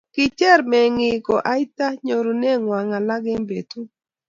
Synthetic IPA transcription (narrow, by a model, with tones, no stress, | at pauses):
kɪ˨t͡ʃɛ˦ɾmɛ˨ŋɪ˨kɔ˨ʔa˦i˦ta˦ɲo˨ɾu˨nɛ˦ŋwa˨ŋa˨la˦ɡɪ˦mbe˨t̪u˦